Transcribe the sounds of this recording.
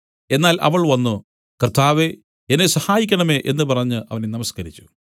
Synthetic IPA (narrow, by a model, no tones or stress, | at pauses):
e̞nːaːlʔɐ̰ʋɐɭʋɐnːu | krt̪aːʋe | enesɐhaːjikʲːɐɳɐme̞ʔe̞nːɨpɐrɐɲːɨʔɐʋɐnenɐmɐskɐɾit͡ɕːu̥